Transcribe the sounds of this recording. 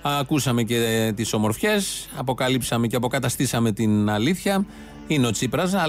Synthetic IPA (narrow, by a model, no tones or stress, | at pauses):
ɐkusɐme̞ce̞t̪iso̞mo̞ɾfçe̞sɐpo̞kɐlipsɐme̞ce̞ɐpo̞kɐt̪ɐst̪isɐme̞t̪inɐliθçɐ | ineo̞t͡sipɾɐz